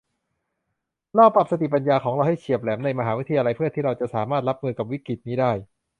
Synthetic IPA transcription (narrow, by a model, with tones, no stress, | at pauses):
lɔː˥˩pa˨˩sa˧t̪i˨˩pa˧njaː˧kʰɔː˩˦ŋɾa˧wha˥˩jt͡ɕʰi˨˩əp̚lɛː˩˦mna˧jma˧ɦaː˩˦wi˦˥t̪ʰa˧jaː˧la˧jpʰɯ˥˩t̪ʰiː˥˩ɾa˧wt͡ɕa˨˩saː˩˦maː˥˩t̪̚ɾa˦˥p̚mɯː˧ka˨˩wi˦˥kɾi˨˩t̪̚niː˦˥daː˥˩j